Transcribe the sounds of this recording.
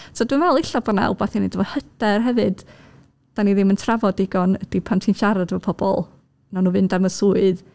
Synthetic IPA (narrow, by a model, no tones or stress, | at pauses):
sʰodwɪnvɛlˠɪɬabɔnaa̰lˠbaθinedəvɔ̥həd̥ɛrɦɛvɨd̥ | d̥aniðɪməntʰravɔdɪɡɔnəd̥ipʰantʰiːnʃaɾadəvɔpʰɔb̥ɔ̰lˠ | nanuːvɨndaməsuɨð